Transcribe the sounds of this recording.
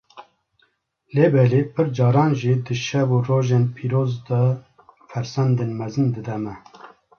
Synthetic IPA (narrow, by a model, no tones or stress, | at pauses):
leːbɛleːpʰɨɾd͡ʒɑːɾɑːnʒiːd̪ɨʃɛvuroːʒeːnpʰiːɾoːzd̪ɑ | fɛɾsɛnd̪enmɛzɨnd̪ɨd̪ɛmɛ